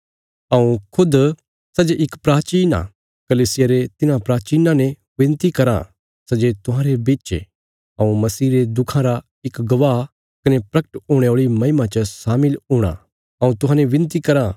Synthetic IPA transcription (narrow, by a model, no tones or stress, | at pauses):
ɐũkʰʊd̪ | sɐd͡ʒeʔɪkpɾaːt͡ʃiːna̰ | kɐliːsɪjaɾet̪ɪnãpɾaːt͡ʃiːnãnẽ | ʋɪ̃nt̪ikɐɾa̰ | sɐd͡ʒet̪ʊɦãːɾebɪt͡ʃḛ | ɐũmɐsiːɾed̪ʊkʰãɾa | ɪkɡɐʋaː | kɐnepɾɐkə̥ʈɦoːɽ̃eoːɭimɐ̃ɦɪmat͡ʃəsaːmɪlɦoːɽ̃a̰ | ɐũt̪ʊɦãːneʋɪ̃nt̪̬ikɐɾa